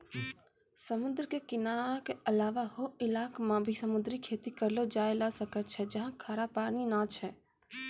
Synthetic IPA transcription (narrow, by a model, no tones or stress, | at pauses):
səmʊnd̪ɾkekɪnakeəlaːʋahoɪlaːkmãbʱisəmʊd̪ɾikʰeːt̪ikəɾlod͡ʒaːelasəkət͡ʃʰɛd͡ʒəɦãkʰaːɾapaːninat͡ʃʰɛ